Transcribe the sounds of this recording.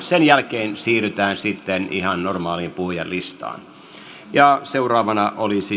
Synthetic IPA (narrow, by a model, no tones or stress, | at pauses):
senjælkeːnsiːryt̪æːnsit̪ːenḭhɑnnormɑːliːmpuhujɑ̰llist̪ɑ̰ːn | jɑseurɑːʋɑnɑʔolisi